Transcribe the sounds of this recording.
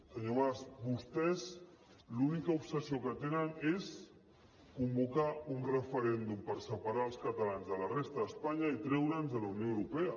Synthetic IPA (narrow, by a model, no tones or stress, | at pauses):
səɲoβasbust̪ɛz | lunikaupsəsiokət̪enənes | kumbukaunrəfəɾɛnd̪umpəɾsəpaɾalˠskat̪alanzðəlarest̪aðəspaɲait̪ɾɛwɾənzðəlawnjoəwɾupea